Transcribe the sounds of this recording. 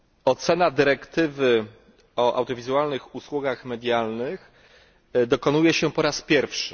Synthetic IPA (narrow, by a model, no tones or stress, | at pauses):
ɔt̪sɛnad̪ɘɾɛkt̪ɘvɘ | ɔʔa̰wd̪ʲjɔvʲizuwalnɘxuswuɡaxmɛd̪ʲjalnɘx | d̪ɔkɔnujɛɕɛpɔɾaspʲjɛɾfʂɘ̥